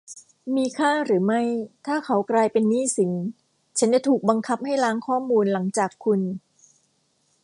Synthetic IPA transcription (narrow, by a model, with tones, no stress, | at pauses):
miː˧kʰaː˥˩ɾɯː˩˦ma˥˩jt̪ʰaː˥˩kʰa˦˥wklaː˧jpe˧nːiː˥˩si˩˦ŋ | t͡ɕʰa˦˥nt͡ɕa˨˩t̪ʰuː˨˩k̚ba˧ŋkʰa˦˥p̚ha˥˩jlaː˦˥ŋkʰɔː˥˩muː˧nla˩˦ŋt͡ɕaː˨˩kʰːu˧n